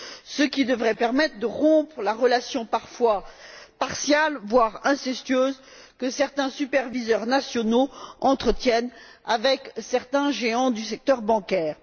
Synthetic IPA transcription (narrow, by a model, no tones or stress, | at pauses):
səkʲid̪əvʁɛpɛʁmɛt̪χəd̪əʁɔ̃pχlaʁəlasjɔ̃paʁfwapaʁsjalvwaʁɛ̃sɛst̪ɥøːz | kəsɛʁt̪ɛ̃sypɛʁvizœʁnasjɔnoɑ̃t̪χət̪jɛnavɛksɛʁt̪ɛ̃ʒeɑ̃d̪ysɛk̚t̪œʁbɑ̃kʲɛːʁ